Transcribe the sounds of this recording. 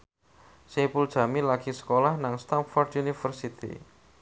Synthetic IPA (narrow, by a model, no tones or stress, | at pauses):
sepuld̥ʒ̥a̤milaɡ̥isə̥kolahnaŋst̪anfɔrd̪unifərsit̪ḭ